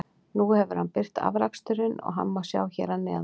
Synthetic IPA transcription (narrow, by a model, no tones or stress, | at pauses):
nuhɛvʏɾ̥hanpɪr̥t̪a̰vɾakst̪ʏɾɪnɔ̰ɣɦa̰mːḁsja̰ːwçɛ̰ɾanːɪa